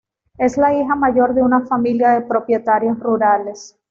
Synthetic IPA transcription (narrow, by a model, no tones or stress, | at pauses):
e̞zlaixamaʝo̞ɾðe̞unafamiljaðe̞pɾo̞pje̞t̪aɾjosruɾale̞s